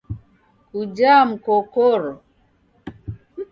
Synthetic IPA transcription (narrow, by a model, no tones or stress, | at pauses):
kud͡ʒam̩kokoɾɔ